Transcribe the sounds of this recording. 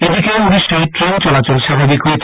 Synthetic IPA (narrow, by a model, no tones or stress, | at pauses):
ed̪ikeoniʃaiʈɾent͡ɕɔlat͡ɕolʃabʱabikɦoet͡ɕʰ